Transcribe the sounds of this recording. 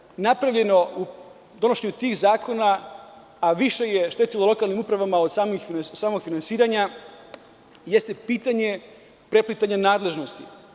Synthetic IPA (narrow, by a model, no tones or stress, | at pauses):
napɾaʋʎe̞no̞u | d̪o̞noʃeɲut̪iːɣzaːko̞naː | ʋiʃe̞jeʃt̪et̪ilolo̞kalnimupɾaʋamaod̪saːmixfinsaːmo̞ɡ̥finansiːɾaɲa | jest̪e̞piːt̪aɲe̞ | pɾe̞plit̪aɲanaːd̪le̞ʒno̞st̪ḭ